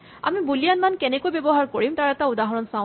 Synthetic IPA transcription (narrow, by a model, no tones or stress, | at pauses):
a̰mibulijanmankɛnɛkojbɛbɔɦaɹkoɹimtaɹɛtaudaɦɔɹɔnsã